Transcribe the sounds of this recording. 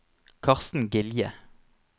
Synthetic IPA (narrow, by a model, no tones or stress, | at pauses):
kʰɑʁst̪n̩ɡɪljə